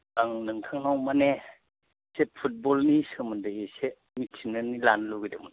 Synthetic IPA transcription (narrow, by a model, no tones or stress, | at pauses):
aŋnɯŋtʰaŋnɔwmane | sepʰut̚bɔlnisɯmɯndɯese | misʰinɯnilanluɡidɯmɯn